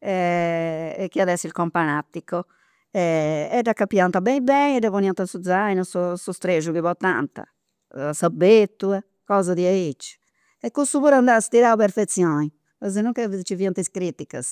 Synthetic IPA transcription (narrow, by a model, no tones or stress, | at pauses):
ɛ | ɛkːiaðɛsːilkɔmpanat̪ːikːɔ | ɛɛɖakːapːjant̪abɛibɛɛɖɛvoniant̪ansud̪zajnɔsɔsust̪ɾeʒuɣiβɔt̪ːa̰nt̪a̰ | sabet̪ːuɛ | kɔːzaðiɛit͡ʃː | ɛkːust̪uβuɾand̪ast̪iɾaupɛɾfet̪sːjɔːni | ɔzɛnuŋkɛvt͡ʃiviant̪iskɾit̪ika̰s